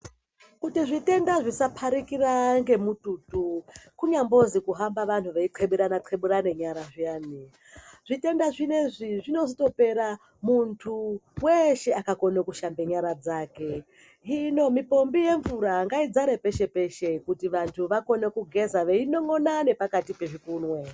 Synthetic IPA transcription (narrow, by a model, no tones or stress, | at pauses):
kutiʐite̞ndaʐisapʰaɾikiraŋɡe̞mututukuɲambo̞zikuɦambaʋantʰuʋeiǃʰeɓuɾanaǃʰeɓuɾane̞ɲaɾaʐijaːni | ʐite̞ndaʐine̞ʐiʐino̞zito̞pe̞ɾa | muntʰuweʃe̞akako̞nekuʃambe̞ɲaɾad͡zaːke̞ | ino̞mipo̞mbije̞ɱvuɾaŋɡaid͡zaɾe̞pe̞ʃe̞pe̞ʃekutiʋantʰuʋako̞ne̞kuɡʱe̞zaʋeino̞ŋo̞nane̞pakatipe̞ʐikuːnwe